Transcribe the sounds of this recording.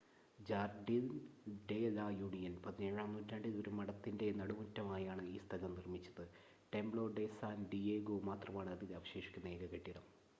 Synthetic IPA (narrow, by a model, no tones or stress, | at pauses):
d͡ʑaːrɖinɖelaːjuːɳijɐnpɐðineɻaːmnuːtːaːɳɖiðoɾumɐɽɐt̪ːinde̞nɐɽumɐtːɐmaːjaːɳɨiːst̪ʰɐlɐmnirmit͡ɕːɐðɨ | ʈe̞mbɭo̞ːɖe̞saːnɖieːɡoːmaːt̪rɐmaːɳɨɐðilɐʋɐɕe̞ːʂi̥kʲːunːɐeːɡɐɣɐʈːiɾɐm